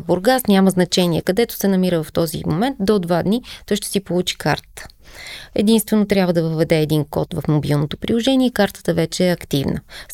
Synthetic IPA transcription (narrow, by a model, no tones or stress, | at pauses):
boɾɡasnʲaməznɐt͡ʃɛniɛkɐd̪ɛt̪ʊ̥sɛnɐmiɾəvɐft̪ɔzḭmomɛnt̪̚d̪od̪vad̪nit̪ɔjʃt̪ɛ̥sipolˠut͡ʃi̥kaɾt̪ə̥t̪ə̥ | ɛ̰d̪inst̪vɛnot̪ɾʲabvəd̪ɐvəəvɛd̪ɛːd̪inkɔ̰t̪vɐfmobilˠnot̪opɾilˠoʒɛniɛkaɾt̪ə̥t̪əvɛt͡ʃɛːɐkt̪ivnə̰